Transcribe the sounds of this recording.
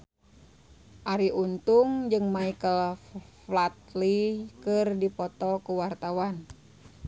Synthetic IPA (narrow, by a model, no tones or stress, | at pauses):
ʔaɾiʔunt̪uŋd͡ʒɨŋmaikəlflat̪̚likɨrdipɔt̪ɔkuwart̪awan